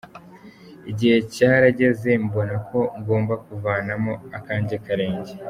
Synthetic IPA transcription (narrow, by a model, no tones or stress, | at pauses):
iɟihe̞caːɾaɟe̞ze̞mbo̞nakʰo̞ŋɡo̞ːmbakuvaːnamo̞akaːɲɟakaɾe̞ːɲɟe